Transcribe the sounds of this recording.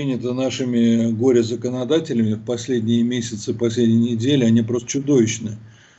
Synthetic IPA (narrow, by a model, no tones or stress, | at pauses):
inʲɪt̪ənaʂɨmʲɪɡo̞ɾʲɪzəkənɐd̪atʲɪlʲɪmʲɪfpɐsʲlʲedʲnʲɪjəmʲesʲɪt̪sɨpɐsʲlʲedʲnʲɪjnʲɪdʲelʲɪɐnʲipɾo̞st̪ə̥t͡ɕʊd̪o̞vʲɪt͡ɕnɨ